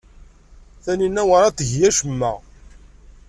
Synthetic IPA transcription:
θæninːæwaɾˤat̪ːəʝjæʃəmːæ̰

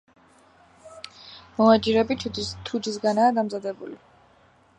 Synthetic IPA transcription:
mɔad͡ʒiɾɛbit̪ʰud̪isɡanaːd̪amzad̪ɛbṵli

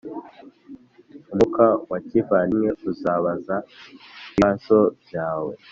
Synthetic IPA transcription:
umukawacivanijeuzaβaza | isobjaːwe

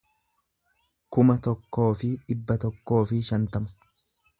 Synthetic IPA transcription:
kʊmɐt̪ɔkːo̞ːfɪᶑɪbːɐt̪ɔkːo̞ːfɪʃɐnt̪ɐmʊ̥

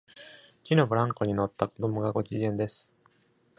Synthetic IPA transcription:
kʲino̞bɯ̟ɾãŋko̞ɲ̟ino̞t̪ːakod̪omoɡaɡo̞t͡ɕiẽ̞nd̪e̞sɨ̥

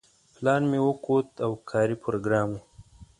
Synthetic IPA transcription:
plɑːnmewəkot̪awkʰɑːɾipʰoɾoɡɾɑːmu

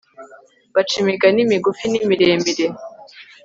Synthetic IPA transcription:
bat͡ʃimiɡanimiɡufinimiɾemiɾe

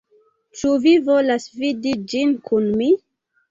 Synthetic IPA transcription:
t͡ʃuvivolasvidid͡ʒinkunmi

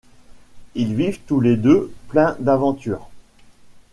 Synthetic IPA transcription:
ilvivt̪uled̪øplɛ̃d̪avɑ̃t̪yːʁ

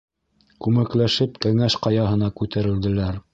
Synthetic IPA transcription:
kʉmæklæʃɘpkæŋæʃqɑjɑɦɤ̆nɑkʉt̪æɾɘ̆ld̪ɘ̆læɾ

